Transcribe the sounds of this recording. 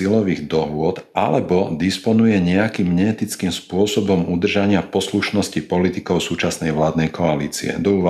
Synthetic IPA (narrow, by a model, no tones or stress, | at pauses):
ilɔʋiɣd̪ɔɦʊɔt̪a̰lɛbɔd̪ispɔnujɛɲɛakiːmɲɛːt̪it͡skimspʊɔsɔbɔmud̪r̩ʒaɲɪapɔsluʃnɔscipɔlit̪ikɔʊsuːt͡ʃasnɛjʋlaːd̪nɛjkɔalḭːt͡sḭɛ̰d̪ɔuːʋa